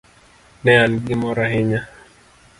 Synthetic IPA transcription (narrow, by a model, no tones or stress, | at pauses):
nɛanɡɪmɔɾahɪɲa